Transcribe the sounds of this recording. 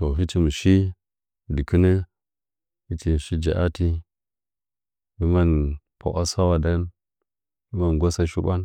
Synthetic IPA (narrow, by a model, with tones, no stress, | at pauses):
to˨ɦi˦ti˦mi˨ʃi˦˨ | di˨kə˦nə˦ | hi˦ti˨ʃi˦d͡ʒa̰˨ʔa˦ti˦ | bi˦ma˦n | po̰˨ʔa˦sa˦wa˨da˦n | bi˦ma˨nɡʷa˦sa˦ʃu˦ɓa˦n